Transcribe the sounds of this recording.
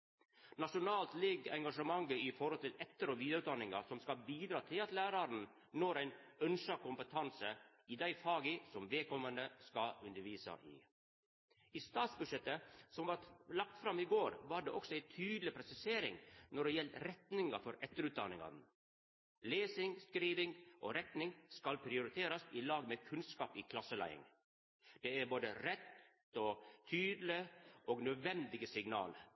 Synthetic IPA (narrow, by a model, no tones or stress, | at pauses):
nɑʂʊnɑːlt̪lɛɡɛŋɡɑʂəmɑŋɡəifɔɾɔlt̪ɪlʔɛt̪ːəɾɔʋiːd̪əʉːt̪d̪ɑnːɪŋɑ̰sɔmskɑlbiːd̪ɾɑːt̪ʰɪlɑt̪læːɾɑɾn | noːɾæɪnœnʃɑkʊmpət̪ʰɑnsə | ɪd̪æɪfɑːɡəsɔmʋɛːkʰɔmːənəskɑʉnd̪əɾʋiːsɑ̰ʔɪ̰ː | ist̪ɑːt̪sbʉʂɛt̪ːəsɔmʋɑɾlɑk̚t̪fɾɑmːɪɡoːɾʋɑɖḛːʔɔksɔæɪt̪ʰyːd̪lɪpʰɾɛsɪseːɾɪ̰ŋnɔɖɛjɛlt̪ɾɛt̪nɪŋɑ̰fɔɾɛt̪ːəɾʉːt̪̚d̪ɑnɪ̰ŋɑ̰nn | leːsɪŋskɾiːʋɪŋʔoɾɛt̪nɪŋskɑlpʰɾɪʊɾɪt̪ʰeːɾɑsɪlɑːɡmeːkʰʉnskɑːpiːkʰlɑsːəlæ̰ɪɪ̰ŋ | d̪̥eæɾboːd̪əɾɛt̪ | ot̪ʰyːd̪l̩ɪʔɔːɡnœd̪ʋɛnd̪ɪɡəsɪŋnɑ̰ːl